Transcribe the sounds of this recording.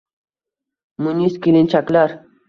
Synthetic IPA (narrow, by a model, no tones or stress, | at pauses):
muniskilint͡ɕʰaklaɾ